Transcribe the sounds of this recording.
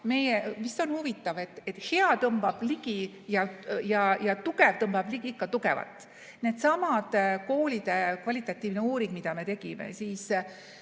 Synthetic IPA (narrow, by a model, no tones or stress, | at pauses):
me̞jevist̪o̞nhuvit̪ːˑɑve̞t̪ːet̪he̞ɑt̪ɤmb̥ɑb̥liɡi | jɑjɑjɑt̪uɡevt̪ɤmbɑb̥liɡ̥iikːɑt̪uɡevɑ̰t̪ːˑ | ne̞ːd̪sɑmɑd̪̥ko̞ːlʲid̪̥e̞kvɑlʲit̪ːˑɑt̪ʲːˑiːvneuːɾiŋɡ̥mid̪̥ɑme̞t̪e̞ɡ̥imḛsiːs